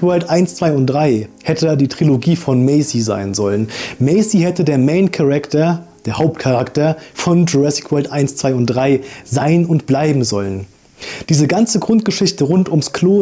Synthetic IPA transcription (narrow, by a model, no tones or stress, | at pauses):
vɛɐltʔaɪnst͡sv̥aɪʊntd̥ʁaɪhɛtʰədaːdiːtʁ̥iloɡiːfɔnmɛɪsiza̰ɪnzɔlənmɛɪsihɛtədeːɐmeɪnkʰaʁɛktɐd̥eːɐhaʊp̚tkʰaʁaktɐfɔnd͡ʒuʁɛsɪ̥kʰv̥ɛltʔaɪnst͡sv̥aɪʊnt̚d̥ʁaɪzaɪnʊntb̥laɪbm̩zɔlən | d̥iːzəɡant͡səɡʁʊnt̚ɡ̥əʃɪçtəʁʊntʊmskʰloː